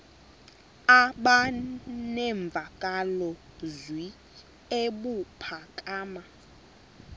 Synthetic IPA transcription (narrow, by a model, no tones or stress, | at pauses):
aɓanɛɱb̪vʱakʼalɔ | zwi | eɓupʰakʼaːma